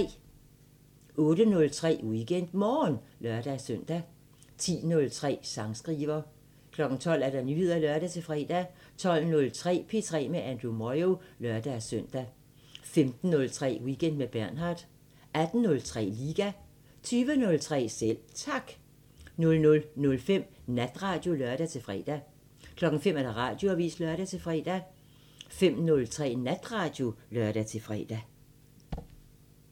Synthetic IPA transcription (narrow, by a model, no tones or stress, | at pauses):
ɔ̽ːɾənɔ̽lt͡sʰʁɛ̰ːwiɡ̥en̰d̥mɒːnlɶɐd̥æsøn̰d̥æ | t͡sʰḭːnɔ̽lt͡sʰʁɛ̰ːsɑ̈ŋsɡ̥ʁiːʋɐ | kʰlɒ̽ɡ̥n̩t͡sʰɒ̽l̰æɐɾ̥ɑnyːheð̰ˠɐlɶɐɾ̥æt͡sʰe̝fʁɛ̰ːd̥æ | t͡sʰɒ̽l̰nɔ̽lt͡sʰʁɛ̰ːpʰe̝t͡sʰʁɛ̰ːmeʔænd̥ʁumɒɪo̝lɶɐd̥æsœn̰d̥æ | femd̥n̩ːɔ̽lt͡sʰʁɛ̰ːwiɡ̥ʰen̰d̥meb̥æɐ̰nɦɑ̈ːd̥ | ʔæd̥n̩nɔ̽lt͡sʰʁɛ̰ːliːɡ̥æ | t͡sʰyːʋənɔ̽lt͡sʰʁɛ̰ːsel̰t͡sʰɑ̈ɡ̥ | nɔ̽lnɔ̽lnɔ̽lfem̰næd̥ʁɑ̈d̥jo̝lœɐd̥æt͡sʰe̝lfʁɛ̰ːd̥æ | kʰlɒ̽ɡ̥n̩fem̰æɐɾ̥ɑ̈ʁɑ̈d̥jo̝æʋḭːslœɐɾ̥æt͡sʰe̝lfʁɛ̰ːd̥æ | fem̰nɔ̽lt͡sʰʁɛ̰ːnæd̥ʁɑ̈d̥jo̝lɶɐɾ̥æt͡sʰe̝lfʁɛ̰ːd̥æ